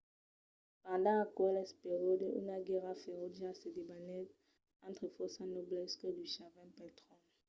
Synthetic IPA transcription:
pãd̪ãakɔlɛspeʁedəy̰naɡɛʁafɛʁodasedebanɛt | ãnt̪χefɔsãnoblɛskəd̪yʃavɛ̃pɛt̪χɔ

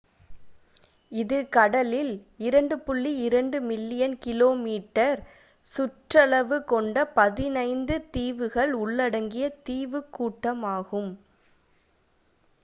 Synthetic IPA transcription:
ɪðɯkɐɽɐlɪl | ɪɾɐɳɖɯpʊɭːiɪɾɐɳɖɯmɪlːɪjɐnkɪloːmiːʈːɐɾ | sʊʈrɐɭɐʋɯkɔɳɖɐpɐðɪnɐɪnd̪ɯt̪iːʋɯɣɐɭʊɭːɐɽɐŋɡɪjɐt̪iːʋɯkːuːʈːɐmaːɣɯm

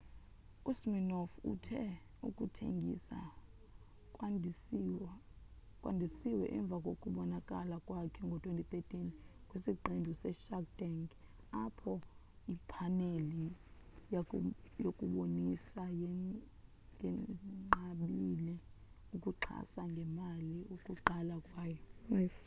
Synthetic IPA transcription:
kʼusminɔfṵtʰɛ | ukʼutʰḛŋɡʱḭsa̰ | kʼwa̰ndʱisiwɛʔɛɱb̪vʱakʼokʼuɓɔnakʼalakʼwakʰɛŋɡʱɔtʰwentʰʼit̪etʼinkʼwisiǃendʱusɛʃak̚daŋɡ | apʰɔ | ipʰaneli | jjokʼuɓonisajɛ | ɛŋ͡ǃaɓilɛ | ukʼuǃʰa̰saŋɡʱɛmaliukʼuǃalakʼwaːjɔɛs

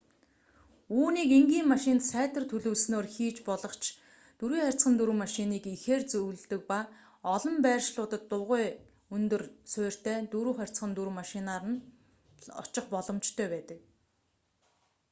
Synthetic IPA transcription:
uːniːkiŋɡiːmmaʃɪ̆nt̪sæːt̪ʰə̆rt̪ʰɵɮɵːsnoːrxiːt͡ɕpɔɮɞ̆χt͡ɕʰ | t̪uɾiːχærʲt͡sχə̆nt̪uɾŭmaʃɪniːkixeːrt͡sɵwɮt̪ɵ̆k̚pa | ɔɮɞ̆mpæːrʃɮʊːt̪ə̆t̪ːʊʁʊː | ɵnt̪ɵ̆rsʊːr̥t̪ʰæːt̪uɾuːχær̥ʲt͡sχə̆nt̪uɾŭmaʃɪnaːɾə̆n | ɔ̰t͡ɕɪ̆χpɔɮɞ̆mt͡ɕt̪ʰœːpæːt̪ə̆k̚

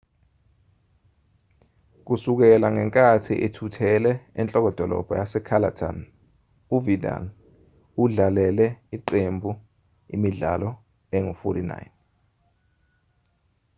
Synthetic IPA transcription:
k̬usuk̬ɛlaŋɛŋkʼatʰḭʔetʰutʰɛlɛːnt͡ɬʼɔk̬ɔd̥ʱɔlɔ̰b̥ʱɔjasɛkʰalatʰa̰n | uvida̰n | uɮalɛlɛiǃembʱu | ḭmiɮa̰lɔ | ɛŋufɔɾina̰jn

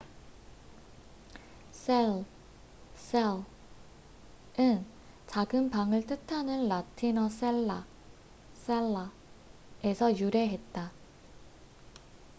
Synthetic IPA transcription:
s͈ʰel | s͈e | ɯn | t͡ɕaɡɯnpaŋɯɭt͈ɯtʰanɯnlatʰinʌs͈eɭːa | s͈eɭːa | e̞sʰʌjuɾe̞ɦe̞t̚t͈a

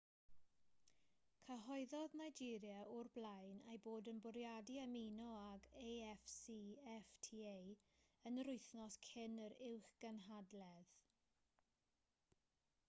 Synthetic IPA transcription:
kʰəɦɔɨðɔðnajd͡ʒiɾjaʔʊrblajnejboːdənbʊɾjadiaminɔaɡejɛfsiːɛftʰiejənəɾʊɨθnɔskʰɪnəɾɪwχɡ̥ənɦadlɛð

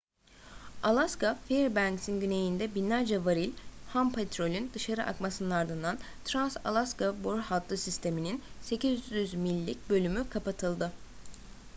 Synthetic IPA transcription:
alˠaskafiɾbænksinɟyne̞jind̪ɛbinlʲæɾd͡ʒɛvaɾilʲhampʰet̪ɾo̞lʲynd̪ɯʃaɾɯʔa̰kmasɯnɯnaɾd̪ɯnd̪an | t̪ʰɾansa̰lˠaskaboɾhat̪ʰlˠɯsist̪ʰe̞mininse̞cizyzmilʲːic̚bø̞lʲymykʰapat̪ʰɯlˠd̪ɯ

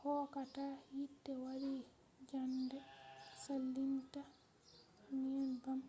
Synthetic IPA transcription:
hɔːkatajitːɛwaɾi | d͡ʒandɛsalːinta | mijanbam

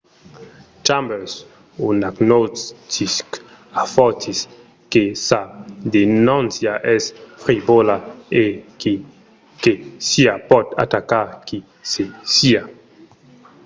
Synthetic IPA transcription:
t͡ʃambɛɾs | unaɡnottisk | afɔt̪is | kesad̪enũnsjaʔɛsfɾibolae | kesiapɔt̪a̰t̪akaɾki | sesia

